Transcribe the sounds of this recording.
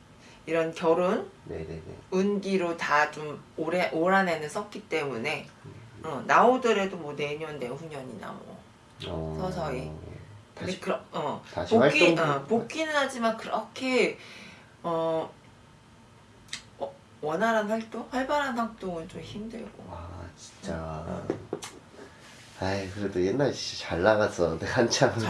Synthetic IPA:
iɾʌnkjʌɾonnḛɯnɡiɾotat͡ɕomoɾeʔoɾane̞nɯns͈ʌk͈it͈e̞mune̞ʌnaodɯɾe̞domwʌne̞ɲʌnːe̞ɸuɲʌɲḭna̰mwʌ̰ | sʰʌsʰʌikɯdekɯɾʌʌpokiʌpok͈inɯnhad͡ʑimankɯɾʌkʰe | ʌ | wʌnɦaɾanɸwaɭt͈oŋɸwaɭbaɾanɸak̚t͈oŋɯnt͡ɕomçimdɯɭɡo̰at͡ɕi̥nt͡ɕ͈a | ajkɯɾedojenːaɭit͡ɕaɭːaɣasʰʌneɡaant͡ɕʰaŋ

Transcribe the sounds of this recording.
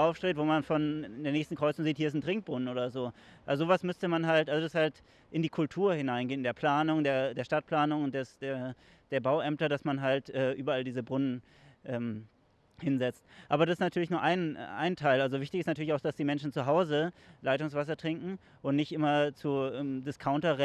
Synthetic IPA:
ʔaʊfʃtʁ̥eːtv̥oːmanfɔnndeːɐneːçstn̩kʁ̥ɔʏt͡sʊŋziːthiɐɪsn̩tʁ̥ɪŋk̚b̥ʁʊnənʔoːdɐzoːʔalzozoːvasmʏstəmanɦaltʔalzodashalt | ʔɪndiːkʰʊltʰuːɐhɪnaɪnɡeːnɪndeːɐpʰl̥aːnʊŋdeːɐdeːɐʃtat̚pʰl̥aːnʊŋdɛsd̥eːɐ | d̥eːɐbaʊʔɛmtɐdasmanɦaltʔɛːʔyːbɐaldiːzəbʁʊnən | ʔɛːm | hɪnzɛt͡stʔaːbɐɾasɪstnatʰyːɐlɪçnuːɐʔaɪnʔa̰ɪntʰaɪlʔalzovɪçtɪçɪstnatʰyɐlɪçaʊxd̥asd̥iːmɛnʃn̩t͡suɦaʊzəlaɪtʊŋsv̥as̬ɐtʁ̥ɪŋkŋ̩ | ʔʊntnɪçtʔɪmɐt͡suʔɛːmdɪskʰaʊntɐʁɛ

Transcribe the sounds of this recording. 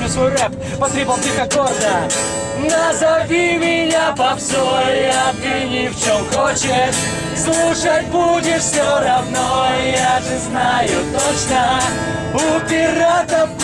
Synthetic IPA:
ɾʲusvojrɛp | pɐsɾʲipəlˠt̪ʲixɐɡɔrd̪ə | nɐzɐvʲimʲɪnʲapɐpzojɐɡ̪ɪnʲɪft͡ɕomxɔt͡ɕɪʂ | slˠuʂət̚ʲbudʲɪʂsʲoɾɐvnojaʐɨznajʊt̪ot͡ɕnə | ʊpʲɪrat̪ə

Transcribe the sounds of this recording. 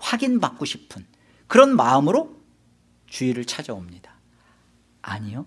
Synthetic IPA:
ɸwaɡinbak̚k͈oɕʰi̥pʰɯn | kɯɾʌnmaɯmɯɾo | t͡ɕuiɾɯɭt͡ɕʰad͡ʑʌomɲid̥a | ɲijo

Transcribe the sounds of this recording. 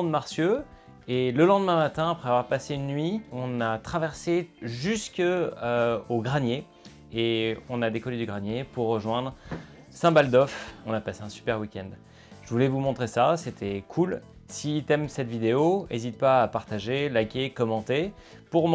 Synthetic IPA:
d̪maʁsjø | eləlɑ̃d̪əmɛ̃mat̪ɛ̃apχɛavwaʁpaseynːɥiɔ̃nat̪χavɛʁseʒyskøoɡʁanjeː | ɔ̃nad̪ekɔled̪yɡʁanjepuʁːəʒwɛ̃d̪ʁ | sɛ̃bald̪ɔfɔ̃napaseɛ̃sy̥pɛʁwikʲɛ̃nd̪ | ʒ̥əvulɛvumɔ̃t̪χesaset̪ʰɛkʰul | sit̪ɛmsɛt̪vid̪eoezit̪̚paːpaʁt̪aʒelakʲekɔmɑ̃t̪e | puʁm

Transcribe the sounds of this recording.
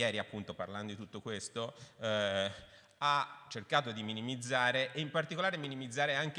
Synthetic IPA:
jɛːɾiapːunt̪opa̰rland̪od̪it̪ut̪ːokwest̪o | at͡ʃerkaːt̪od̪iminimid̪zaːɾeʔːimpart̪ikolaːɾeminimid̪zːaːɾeaŋk

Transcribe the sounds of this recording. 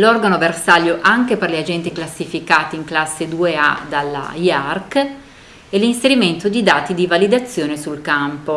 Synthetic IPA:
lɔrɡanoversaʎjoʔaŋkeperliad͡ʒɛnt̪iklasːifikaːt̪iːŋklasːed̪uea̰d̪alːa̰iark | ɛlinseɾiment̪od̪id̪aːt̪id̪ivalid̪at̪sːjoːnesulkampo

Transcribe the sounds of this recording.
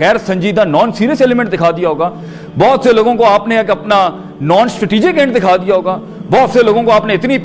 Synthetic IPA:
ɣɛːɾsə̃ɲd͡ʒiːd̪ãːnɔːnsiːɾijəseːlemɛ̃ɳʈd̪ɪkʰaːd̪ijaɦoːɡaː | bɔːt̪seloːɡõkoaːpneɐkɐpnaː | nɔːnsʈɾeʈiːd͡ʒɪkɡẽːɳʈd̪ɪkʰaːd̪ijaɦoːɡaː | bɔːt̪seloːɡõkoaːpneɪt̪nip

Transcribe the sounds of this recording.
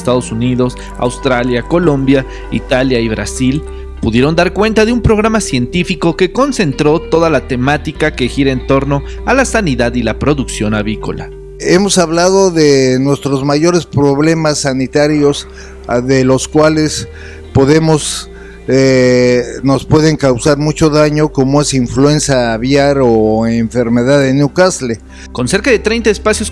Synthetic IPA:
st̪aðo̞suniðo̞s | a̰wst̪ɾaljako̞lo̞mbja | ḭt̪aljaiβɾa̰sil | puðje̞ɾo̞nd̪aɾkwe̞nt̪aðeumpɾo̞ɣɾamasje̞nt̪ifiko̞ke̞ko̞nse̞nt̪ɾo̞t̪o̞ðalat̪e̞mat̪ikake̞xiɾaent̪o̞ɾno̞ | alasaniðaðilapɾo̞ðuksjo̞naβɾiko̞̰la̰ | e̞mo̞saβlaðo̞ðenwe̞st̪ɾo̞zmaʝo̞ɾe̞spɾo̞βle̞masːanit̪aɾjo̞s | ðe̞lo̞skwale̞s | po̞ðe̞mo̞s | e | no̞spwe̞ðe̞ŋkawsaɾmut͡ʃo̞ðaɲo̞ko̞moe̞siɱflue̞nsjaːβjaɾoeɱfe̞ɾme̞ðaðeneukasle | ko̞nse̞ɾkaðe̞t̪ɾe̞jnt̪aespasjo̞s

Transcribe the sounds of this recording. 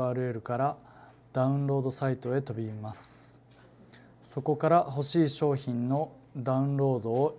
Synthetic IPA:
aːɾɯ̟e̞ɾɯ̟kaɾa | d̪̥aɯ̃nɾo̞ːd̪o̞sait̪o̞e̞t̪o̞bʲimasɨ̥ | so̞ko̞kaɾaɦo̞ɕiːɕo̞ːçĩnno̞ | d̪aɯ̟̃nɾo̞ːd̪o̞ː

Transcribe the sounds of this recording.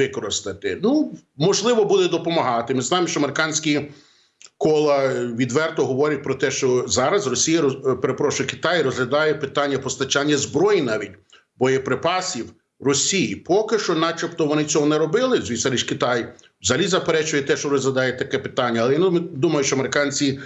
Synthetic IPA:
ɪkɔɾɪst̪ɐt̪ɪnumɔʒlˠɪʋɔbud̪ɛd̪ɔpɔmɐɦɑt̪ɪmɪznɑjemʃt͡ʃɔɐmeɾɪkɑnʲsʲkʲi | kɔlˠɐʋʲid̪ʋɛrt̪ɔɦɔʋɔɾʲɐt̚ʲpɾɔt̪ɛʃt͡ʃɔzɑɾɐzrɔsʲijɐpeɾepɾɔʃʊjɛkɪ̥t̪ɑjrɔzɦlʲɐd̪ɑjɛpɪt̪ɑnʲːɐpɔst̪ɐt͡ʃɑnʲːɐzbɾɔjinɑʋʲitʲ | bɔjɛpɾɪpɑsʲiw | rɔsʲijipɔkɪʃt͡ʃɔnɑt͡ʃɐpt̪ɔʋɔnɪt͡sʲɔɦɔnɛɾɔbɪlˠɪzʲʋʲisɐɾʲiʃkɪt̪ɑj | wzɐlʲizɐpeɾɛt͡ʃʊjɛt̪ɛʃt͡ʃɔɾɔzlʲɐd̪ɑjɛt̪ɐkɛpɪ̥t̪ɑnʲːɐːlˠɛjanmd̪umɐjʊʃt͡ʃɔɐmeɾɪkɑnʲt͡sʲi

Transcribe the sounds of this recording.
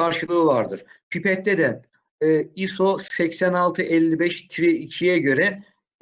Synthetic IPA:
aɾʃɯlˠɯːvaɾd̪ɯɾ̥ | pʰypɛt̪ːɛd̪ɛ | isosɛcsænalˠt̪ʰɯʔɛlʲːibɛʃt̪ʰɾɛicʰijɛɟø̞ɾɛ

